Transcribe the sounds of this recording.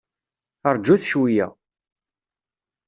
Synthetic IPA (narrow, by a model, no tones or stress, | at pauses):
əɾˤd͡ʒuθʃwijæ̰